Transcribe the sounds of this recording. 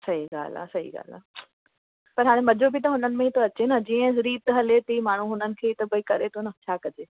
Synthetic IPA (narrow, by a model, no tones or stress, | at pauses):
sɐɦiɡa̰ːl̤a̰sɐɦḭɡa̰ːl̤a̰ | pɐɾɦaːɽẽmɐd͡ʑobɪt̪̬ɐɦʊnənɪ̆mẽit̪ʰoɐt͡ɕenɐd͡ʑiːə̃zɾiːt̪ɦɐlet̪imaːɳ̤̃uɦʊnənɪ̆kʰeːit̪ɐbɐikɐɾet̪ʰonɐt͡ɕʰaːkɐd͡ʑeː